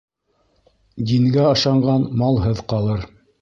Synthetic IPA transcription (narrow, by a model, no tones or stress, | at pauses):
d̪iŋɡæɑʃɑɴɢɑnmɑlˠɦɤðqɑlˠɤɾ